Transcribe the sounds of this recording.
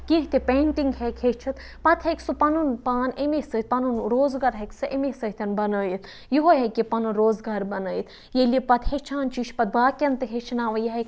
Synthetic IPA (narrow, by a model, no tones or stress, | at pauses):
kʲĩɦt̪epeːɳʈiŋɡɦekʰhet͡ʃʰit̪ | pɐt̪ʰheksupɐnunpaːnemesɐit̪̚pɐnunɾoːzɡɐɾɦeksɨʔemesɐt̪ʲɐnbɐnəːjit̪ | jiɦoɦekipɐnunɾoːzɡaɾbɐnəːjit̪ʰ | jelipɐt̪het͡ʃʰaːnt͡ʃiːʃʰpɐt̪̚baːkʲɐnt̪ɨɦet͡ʃʰinaːʋɐjɐɦek